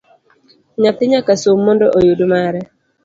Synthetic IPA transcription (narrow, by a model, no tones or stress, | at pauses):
ɲatɪɲakasomːondɔʔojudumaɾɛ